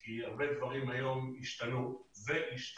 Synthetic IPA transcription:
kiaʁbe̞d̪vaʁimajo̞miʃt̪anuzeʔiʃt̪

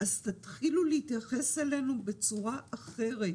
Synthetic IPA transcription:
ʔazt̪at̪χiluleit̪jaχe̞sele̞nube̞t͡suʁaʔaχe̞ʁet

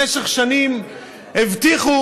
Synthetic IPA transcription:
eʃeχʃanim | hevt̪iχu

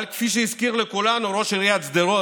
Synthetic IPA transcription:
lkfiʃ̬eiskiʁlekulanuʁo̞ʃiʁijat̪t͡sd̪eʁo

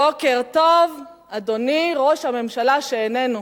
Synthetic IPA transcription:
okeʁt̪ov | ad̪o̞niʁo̞ʃhame̞mʃalaʃeːnenu

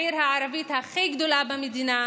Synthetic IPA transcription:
iɾhaʕaɾavit̪haχejɡd̪olabamid̪ina

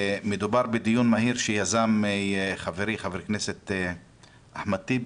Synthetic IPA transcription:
med̪ubaɾbed̪ijunmaɦiɾʃejazamχaveɾiχaveɾikneset̪ | aħmat̪i

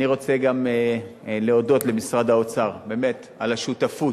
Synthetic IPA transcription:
niʁo̞t͡seɡam | leo̞do̞tle̞misʁad̪ao̞t͡saʁbe̞me̞t̪ | alaʃut̪afu

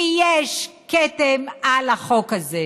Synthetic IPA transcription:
jeʃ | ket̪emalaχokaze

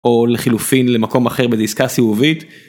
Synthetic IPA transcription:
ʔo̞leχilufinle̞mako̞maχe̞ʁbeziskasiuvit̪

